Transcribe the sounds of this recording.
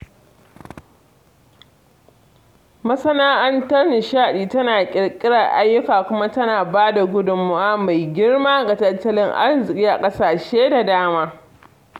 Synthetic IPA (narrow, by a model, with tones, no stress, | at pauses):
mɐ˦sɐ˦naː˦ʔɐ˦ntɐ˦rnɪ˨ʃaː˦ɗiː˨tɐ˦naː˨kʲʼɪ˨ɽkʲʼɪ˦ɽɐ˨rʔa˦jːʊ˦kaː˨kʷʊ˦ma˦tɐ˦naː˨baː˦da˨ɡʷʊ˦dʊ˨mːʊ˦waː˦ma˨jɡʲɪ˦rmaː˦ɡa˨tɐ˦tːɐ˦lɪ˦ŋʔa̰˦rzɪ˨kʲʼiː˦ʔa̰˨kʼɐ˦saː˨ʃeː˦da˨daː˦maː˦